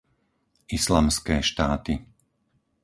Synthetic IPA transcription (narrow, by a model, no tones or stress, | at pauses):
islamskɛːʃt̪aːt̪i